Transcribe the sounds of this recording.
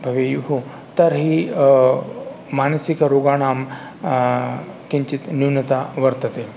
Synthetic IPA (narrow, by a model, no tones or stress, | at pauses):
bʱɐʋejuɦu | t̪ɐɾɦi | mansikɾoɡaɽ̃aːm | kiɲt͡ɕit̪nuwnət̪aʋɐɾt̪ət̪e